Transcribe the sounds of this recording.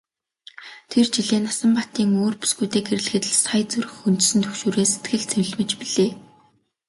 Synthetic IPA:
t̪ʰert͡ɕiɮeːnasə̆mpat̪iːŋoːrpu̥sɡujt̪eːɡeɾɘ̆ɮ̆xɘ̆t̪ɘ̆ɮsajt͡suɾɘ̆xunt̪sɘ̆nt̪ʰɵkʃuːɾeːse̥t̪ɡɘ̆ɮt͡sʰew̆ɮmɘ̆t͡ɕpiɮeː

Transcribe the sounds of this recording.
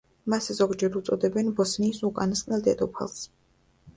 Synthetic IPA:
maszɔɡd͡ʒɛɾut̪sʼɔd̪ɛbɛnbɔsniːsukʼanasqʼnɛlˠd̪ɛ̰d̪ɔpʰa̰lˠs

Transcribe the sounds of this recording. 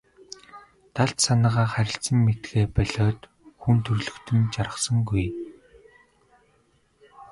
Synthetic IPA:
t̪ʰaɬt̪sanaːʁaːχæɾʲɪ̆ɬt͡sə̆mːet̪ɡeːpœɮʲɔːt̪ | xunt̪ʰɵrɮɵ̆kt̪ʰɘ̆nt͡ɕaɾə̆sə̆ŋɡuj

